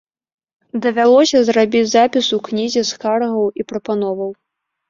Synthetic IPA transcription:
d̪ɐvʲalˠɔsʲɐzrabʲid͡zʲzapʲisuknʲizʲɛskarɣɐwipɾɐpanɔvɐw

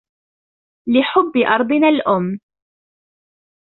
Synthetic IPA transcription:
lɪħʊbːɪʔɑɾˤd̪ˤɨnaːlʔʊmː

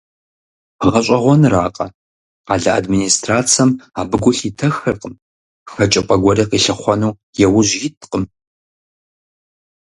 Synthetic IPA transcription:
ʁɐɕʼɐʁʷɔnraːqʼɐ̰ | aːɮɐa̰dminiːstraːt͡sʰɐmaːbɨɡʷʊɬitʰɐxɐrqʼəm | xɐt͡ʃʼɐpʼɐɡʷɔrɐqiːɬɐχʷɔnuː | jɛwʊʑjitʰqʼəm

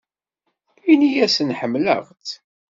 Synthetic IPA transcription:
inijæsənħəmːlə̰ʁt͡s

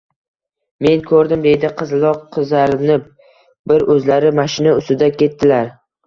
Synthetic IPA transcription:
me̞nkʰɵɾd̪ɪmd̪e̞jd̪ɪqʰɨzlˠɒqʰːɨzaɾɪnɪ | bɪɾɵzlaɾɪmaʃɪnaʊst̪ɪd̪akʲʰe̞t̪ːɪlaɾ

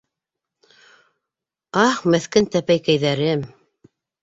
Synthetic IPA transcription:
ɑχmæθkɘnt̪æpæjkæjðæɾɘm

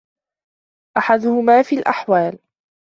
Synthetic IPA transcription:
ʔaħad̪ʊhʊmaːfiːlʔa̰ħwaːl

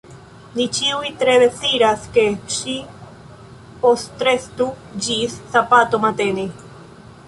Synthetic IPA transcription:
nit͡ʃiwit̪ɾeβeθiɾaskeʃi | post̪ɾest̪u | d͡ʑisːapat̪omat̪eni

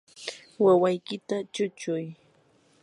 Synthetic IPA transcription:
wawajkɪt̪at͡ʃʊt͡ʃʊj

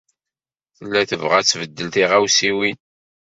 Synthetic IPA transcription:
θəlːæθəvʁæt͡sːvəd̪ːəlt̪iʁæwsiwin

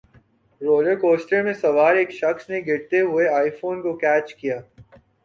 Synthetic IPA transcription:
ɾoːləɾkoːsʈəɾmẽsɐʋaːɾeːkʃɐxsneɡɪɽt̪eɦʊeaːifoːnkokɛːt͡ʃkijaː

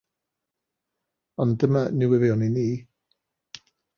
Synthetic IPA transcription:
ɔndəmanɪwɪvjɔniniː

